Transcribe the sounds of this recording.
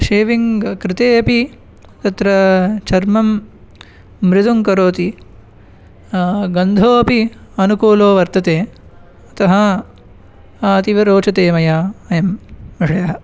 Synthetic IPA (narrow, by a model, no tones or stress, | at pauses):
ʃeːʋiŋɡkɾɪt̪eːɐpi | t̪ɐt̪ɾɐt͡ʃʰɐɾmɐm | ɾɪt̪uŋkɐɾoːt̪i | ɡɐnd̪ʱoːɐpiɐnukuːloːʋɐɾt̪ɐt̪eː | ɐt̪ɐɦɐ | t̪iʋɐɾoːt͡ʃɐt̪eːmɐjaːɐjɐmʋɐʂɐjɐɦɐ